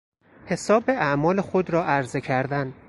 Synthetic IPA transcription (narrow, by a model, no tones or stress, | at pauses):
he̞sɒːbe̞ʔæʔmɒːle̞xod̪ɾɒːʔæɾze̞cʰæɾd̪æn